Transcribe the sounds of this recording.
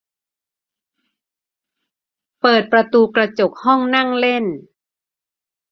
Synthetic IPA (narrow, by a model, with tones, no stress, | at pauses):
pɤː˨˩t̪̚pɾa˧t̪uː˧kɾa˧t͡ɕo˨˩k̚hɔ˥˩ŋna˥˩ŋle˥˩n